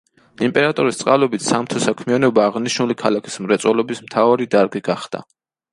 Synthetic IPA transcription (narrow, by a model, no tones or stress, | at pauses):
impʼɛɾat̪ʼuɾist̪sʼqʼalɔbit̪ʰsamt̪ʰɔsakʰmianɔbaːʁniʃnulikʰalakʰi̥smɾɛt̪sʼwɔlɔbismt̪ʰavaɾid̪aɾɡiɡaχd̪̥a̰